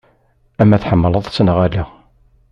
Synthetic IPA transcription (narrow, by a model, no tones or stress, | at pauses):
æmːæθħəmːələðˤsənʁæli